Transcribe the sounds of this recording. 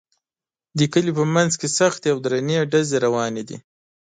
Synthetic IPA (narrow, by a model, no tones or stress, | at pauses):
d̪əkəlipəmanzkesaxt̪eawd̪ɾaneɖazeɾawɑned̪ḭ